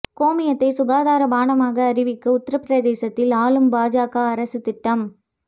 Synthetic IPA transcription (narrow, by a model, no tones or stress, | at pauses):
koːmɪjɐt̪ːɐɪsʊɣaːðaːɾɐbaːnɐmaːɣɐːɾɪʋɪkːɐʊt̪ːɪɾɐpɪɾɐðeːsɐt̪ːɪlaːlɯmbaːd͡ʒaːkaːɐɾɐsɯt̪ɪʈːɐm